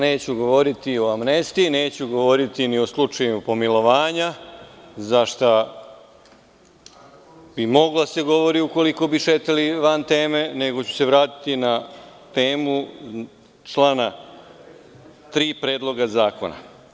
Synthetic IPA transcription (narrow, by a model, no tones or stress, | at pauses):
ne̞ːt͡ɕuɡo̞ʋo̞ɾit̪io̞amnest̪ine̞ːt͡ɕuɡoʋo̞ɾit̪inio̞slut͡ʃajupo̞milo̞ʋaːɲa | zaʃt̪a | bimo̞ɡlase̞ɡo̞ʋo̞ɾiuko̞liko̞biʃeːt̪aliʋant̪e̞ːme̞ne̞ɡo̞t͡ɕu̥se̞ʋɾaːt̪i̥t̪inat̪e̞ːmu | t͡ʃlaːna | t̪ɾiːpɾe̞ːd̪lˠo̞ɡazaːko̞̰na̰